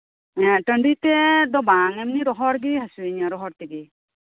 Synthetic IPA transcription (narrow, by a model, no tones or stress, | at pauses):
ɛ̃ʈəɳɖit̪ɛd̪ɔbaŋɛmniɾɔɦɔɾɡiɦasueɲaɾɔɦɔɾt̪ɛɡi